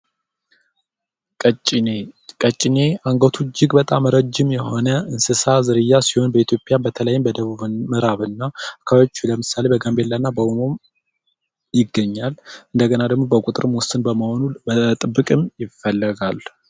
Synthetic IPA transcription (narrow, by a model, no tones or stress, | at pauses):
kʼət͡ʃʼɪnekʼət͡ʃʼːɪne̞aŋɡot̪ʰud͡ʒɪɡbət̪ʼamːəɾəd͡ʒːɪmjɛho̞nəɨnsɨsazɨɾɨjːasiho̞nbəit̪ʰjo̞pʼjabət̪ʰələjːɪmbəd̪əβuβmɨɾaβɨnːaakʰːaβaot͡ʃːuləmɨsale̞bəɡambelːanːabəwumo̞m | jɪɡːəɲːalʔɨnd̪əɡənad̪əɡmobəkʷʼut̪ʼɨɾɨmwʊsɨnbəməho̞nubət̪ʼɨbːɨkʼɨmjɪfːəlːəɡal